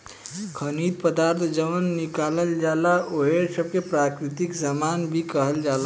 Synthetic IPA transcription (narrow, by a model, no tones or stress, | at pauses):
kʰənid̪̚pəd̪aɾt̪ʰd͡ʒəʋənːikaləld͡ʒalaʔoɦesəb̚kepɾakɾit̪iksamanbʱikəɦəld͡ʒala